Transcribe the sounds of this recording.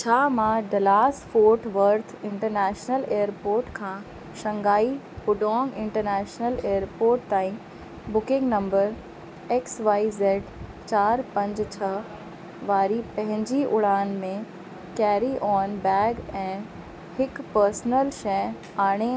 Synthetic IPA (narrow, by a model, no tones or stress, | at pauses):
t͡ɕʰaːmãɖɐlaːsfoːɾʈʰʋɐɾt̪ʰɪ̃ɳʈəɾnɛːʃnəleːəɾpoːɾʈkʰãː | ʃɐ̃ŋɡaːi | pʊɖɔ̃ːŋɡɪ̃ɳʈəɾnɛːʃnəleːəɾpoːɾʈt̪aːĩ | bʊkɪ̃ŋɡnɐ̃mbəɾ | eːksʋaːizeːɖ | t͡ɕaːɾpɐ̃ɲd͡ʑt͡ɕʰɐ | ʋaːɾipɐ̃ɦɪ̃ɲd͡ʑiʔʊɽaːnmẽ | kɛːɾiʔɔːnbɛːɡɛ̃ː | hɪkpəɾsnəlʃɛ̃ | aːɽ̃e